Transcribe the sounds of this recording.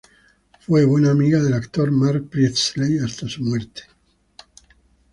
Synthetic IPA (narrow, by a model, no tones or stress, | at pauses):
fweβwenaːmiɣaðelakt̪oɾmaɾk̚pɾit̪slejast̪asumweɾt̪e̥